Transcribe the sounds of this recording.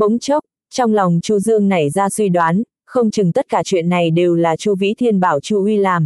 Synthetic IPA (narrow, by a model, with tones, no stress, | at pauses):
ɓə̰˧˨˦ŋ͡mt͡ɕo˦˥k͡p̚ | t͡ɕɔ˧wŋ͡mla˨˩wŋ͡mt͡ɕu˧zɨ˧əŋna˨˩jzaː˧swi˧ɗwaː˨˦n | xə˧wŋ͡mt͡ɕɨ˨˩ŋt̪ə˦˥t̚kaː˧˩t͡ɕwḭ˧˨ənːa˨˩jɗe˨˩wlaː˨˩t͡ɕu˧vḭ˧˥t̪ʰi˧ənɓaː˧˩wt͡ɕu˧hwi˧laː˨˩m